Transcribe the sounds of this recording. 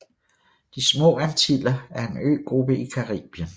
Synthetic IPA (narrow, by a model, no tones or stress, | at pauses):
d̥ismɔ̰̽ːænt͡sʰilɐæɐe̝nø̰ːɡ̥ʁub̥əikʰɑʁḭːb̥iən